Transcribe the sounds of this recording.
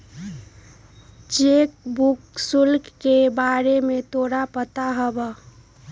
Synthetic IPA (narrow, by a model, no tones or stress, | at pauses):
t͡ʃek̚buksulkːebaɾemet̪oːɽapət̪aɦəbə